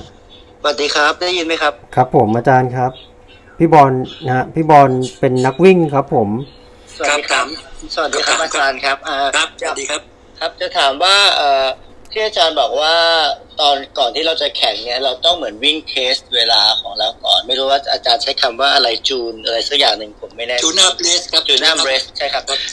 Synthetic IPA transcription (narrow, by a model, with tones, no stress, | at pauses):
sa˧wa˨˩t̪̚diː˨˧kʰa˦˥p̚daː˥˩jɯː˧nma˦˥jkʰa˦˥p̚kʰɾa˦˥pʰːo˩˦mʔaː˧t͡ɕaː˧nkʰɾa˦˥p̚ | pʰːiː˥˩bɔː˧nha˦˥pʰiː˥˩bɔː˧npe˧nːa˦˥k̚wi˥˩ŋkʰɾa˦˥pʰːo˨˩˦m | sa˧wa˩diː˧kʰa˦˥sa˧wa˨˩diː˧kʰa˦˥p̚ʔaː˧t͡ɕaː˧nkʰa˦˥p̚ʔaː˧˦˧a˨˩˧a˦˥ | kʰa˦˥p̚t͡ɕa˨˩t̪ʰaː˩˦mwaː˥˩ʔɤː˨˩ | t̪ʰiː˥˩ʔaː˧t͡ɕaː˧nbɔː˨˩k̚waː˥˩t̪ɔː˧nkɔː˨˩nt̪ʰiː˥˩ɾa˧wt͡ɕa˨˩kʰɛ˨˩˦ŋni˦˥ɐɾa˧wt̪ɔ˥˩ŋmɯ˩˦ənwi˥˩ŋt̪ʰeː˦˥st̪̚weː˧laː˧kʰɔː˩˦ŋɾa˧wkɔ̰ː˨˩nma˥˩jɾʰu˦˥t̚waː˥˩t͡ɕʔaː˧t͡ɕaː˧nt͡ɕʰa˦˥jkʰa˧mwaː˥˩ʔa˧ɾa˧jt͡ɕuː˧nʔa˧ɾa˧jsa˦˥k̚jaː˨˩ŋnɯ˨˩ŋpʰo˩˦mːa˥˩jnɛː˥˩˧a˥˩˦duː˧˦naː˥˩mɾeː˦˥st͡ɕʰa˥˩jkʰa˦˥p̚